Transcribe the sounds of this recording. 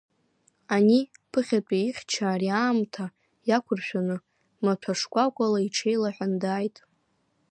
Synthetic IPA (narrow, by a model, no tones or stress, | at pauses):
anipʰɨχʲat͡pʷʼiiχʲt͡ʃʰaːriaːmtʰa | jakʷʰʊrʃᶣanɨ | mapʷʰaʂkʷʼakʷʼalaiʈ͡ʂʰejlaħʷᶣandaːjtʼ